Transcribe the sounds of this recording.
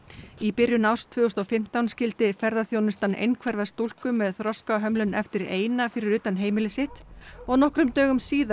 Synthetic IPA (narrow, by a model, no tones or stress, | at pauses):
ipɪɾjʏnawr̥st̪ʰvœːɔst̪ɔfɪm̥t̪awnscɪlt̪ɪfɛɾðaθjownʏst̪anḛjnkʰvɛɾvast̪ul̥kʏmːɛðθɾɔskaɦœmlʏnɛft̪ɪɾeːjnafɪɾɪɾʏːt̪anɦeːjmɪlɪsɪht̪ɔɣnɔhkɾʏmt̪œːɣʏmsiːða